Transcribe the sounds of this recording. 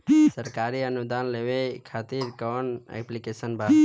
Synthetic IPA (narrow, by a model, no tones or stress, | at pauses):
səɾkaːɾiənʊd̪aːnleʋekʰaːt̪iɾkɔnḛkplikeːsənbʱa